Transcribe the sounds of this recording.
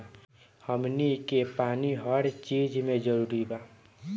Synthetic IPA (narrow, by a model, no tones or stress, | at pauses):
həmnikepaːniɦəɽt͡ʃid͡ʒmẽd͡ʒəɾuɾiba